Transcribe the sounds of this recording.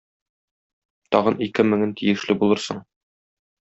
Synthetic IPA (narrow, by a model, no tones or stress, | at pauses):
t̪ɒʁɤnikɘmɘ̆ŋɘnt̪ʰijɘ̆ʃlɘbulˠɤɾsɤ̰ɴ